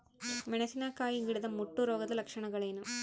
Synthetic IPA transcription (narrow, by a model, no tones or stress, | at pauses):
mɛnɐsɪnaːkaːjɯŋɡɪɽɯðɐmːʊʈːuɾoːɣɐðɯlɐkʂɐɳɐŋɡɐɭɐnɯ